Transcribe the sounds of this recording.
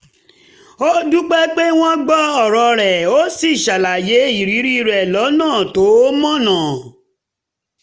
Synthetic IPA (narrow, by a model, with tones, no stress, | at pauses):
o˦du˦k͡pɛ˦k͡pe˦w̃ɔ̃˦ɡ͡bɔ˦ɔ˨ɾɔ˧ɾɛ˨o˦si˦˨ʃa˨la˨je˨˦i˦˨ɾi˨˦ɾi˦ɾɛ˨lɔ˨˦nãː˦˨to˨˦mɔ̃˦nã˨